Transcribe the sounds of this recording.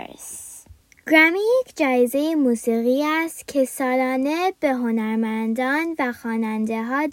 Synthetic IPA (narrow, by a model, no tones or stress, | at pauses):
s | ɡ̥ɾæmijekʰd͡ʒɒːjeze̞jemuːsiːɣiːæst̪cʰe̞sɒːlɒːne̞b̥e̞ɦo̞næɾmænd̪ɒːnvæxɒːnænd̪e̞ɦɒːd̪